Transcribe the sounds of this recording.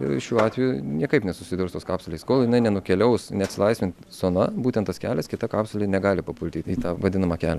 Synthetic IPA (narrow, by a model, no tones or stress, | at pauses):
ɪ̰ʃʲuːɑːt̪ʲʋʲɛjunʲiɛkɐɪpnʲɛsʊsʲɪd̪ʲʊɾst̪oːskɑːpsʊlʲɛɪskoːlˠjɪnɐɪnʲɛnʊkʲɛlʲɛʊsnʲɛɐt̪sʲɪlˠɐɪsmʲɪntt̪ʲsoːnɐbuːt̪ʲɛnt̪ɐskʲæːlʲɛskʲɪt̪ɐkɑːpsʊlʲɪnʲɛɡɑːlʲɪpɐpʊlʲt̪ʲiːt̪iːt̪ɑːʋɐd̪ʲɪnɐmɑːkʲæːlʲɛ